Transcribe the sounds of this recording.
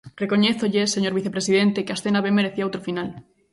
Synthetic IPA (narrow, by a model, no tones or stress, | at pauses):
rekoɲeθoʎeseɲoɾβiθepɾesiðent̪ekeasθenaβemeɾeθiaawt̪ɾofinal